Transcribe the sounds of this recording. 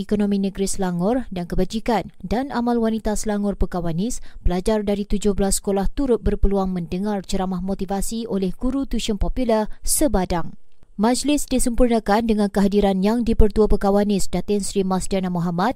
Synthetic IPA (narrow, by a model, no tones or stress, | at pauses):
ikonõmĩnə̃ɡɾisəlaŋʊrdankəbad͡ʒikandanamalwanit̪asəlaŋʊrpəkawanɪsb̥əlad͡ʒardaɾit̪ud͡ʒʊhbəlasːə̥kolaht̪uɾʊt̪̚bərpəluaŋmə̃ndəŋart͡ʃəɾamahmot̪ivasiolɛhɡuɾut̪uʃənpopulərsəbadaŋ | mãd͡ʒlɪsdisəmpurnəkandəŋãnkəɦadiɾanjaŋdipərt̪uapəkawanɪsdat̪ɪnsɾimasdanamuɦamat̪̚